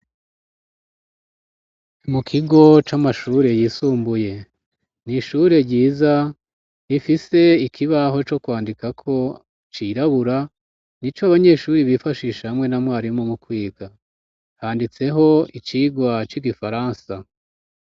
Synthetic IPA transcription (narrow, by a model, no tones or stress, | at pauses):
mukʰiɡo̞t͡ʃamaʃuːɾe̞jiːsuːmbuje̞ | niʃuɾe̞ɟiːza | ifise̞ikʰiβaɦo̞t͡ʃo̞kwaːndikakʰo̞ | t͡ʃiɾaβuɾa | nit͡ʃoaβaɲe̞ːʃuːɾiβifaʃiːʃahamŋwe̞namwaːɾimomukwiːɡa | haːndit͡se̞ɦo̞it͡ʃiːɡwat͡ʃiɡifaɾaːnsa